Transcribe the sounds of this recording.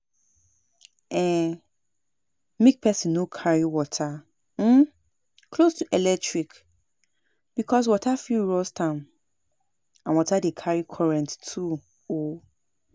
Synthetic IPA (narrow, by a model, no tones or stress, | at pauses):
ɛ̃ | mĩk̚pʰɛsĩnːokʰaɹiwɔtʰa | m̩ | kʰlostʰuʔɛlɛk̚tɹik | b̥ikʰɔs̬wɔtʰafiɹɔstʰãm | ãnwɔtʰadekʰaɹikʰɔɹɛ̃nttʰu | o